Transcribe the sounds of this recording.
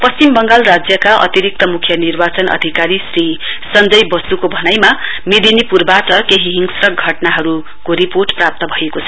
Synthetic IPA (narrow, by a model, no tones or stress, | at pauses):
pʌst͡simbʌŋɡalrad͡zjʌkaʔʌ̰t̪iɾik̚t̪ʌmukʰjʌnirbat͡sʌnʔʌ̰d̪ʱikaɾisri | sʌnd͡zʌjbʌsukobʱʌnajma | mid̪inipurbaʈʌkeɦiɦiŋɡsrʌɡʱʌʈnaɦʌɾu | koɾiporʈprap̚t̪ʌbʱʌekot͡sʰʌ